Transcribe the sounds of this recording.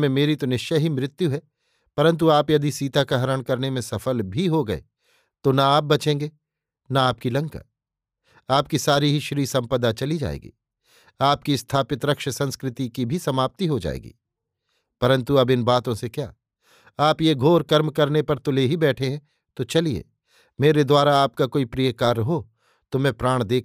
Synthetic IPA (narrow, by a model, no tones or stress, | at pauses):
mẽmeːɾit̪onɪʃjaɦimɾɪt̪juɦɛ | pɐɾə̃nt̪̬uaːpjɐd̪isiːt̪akaɦɐɾəɽ̃kɐɾnemẽsɐfəlbʱiɦoɡɐḛ | t̪onaaːp̚bɐt͡ʃẽːŋɡeː | naaːp̚kilɐ̃ŋka̰ | aːp̚kisaːɾiɦiʃɾiːsɐ̃mpəd̪at͡ʃɐlid͡ʒa̰ːḛːɡḭː | aːpkist̪ʰaːpɪt̪ɾɐkʃəsɐ̃nskɾɪt̪ikibʱisɐmaːp̚t̪iɦod͡ʒa̰ːḛːɡḭː | pɐɾə̃nt̪uɐbɪnbaːt̪õsekjaː | aːpjeɡʱoːɾkɐɾmkɐɾnepɐɾt̪ʊleɦibɛːʈʰeɦɛ̃ː | t̪ot͡ʃɐliḛː | meːɾed̪waːɾaaːp̚kakoːipɾijəkaːɾɐɦo | t̪omɛ̃pɾaːɽ̃d̪eːkʰ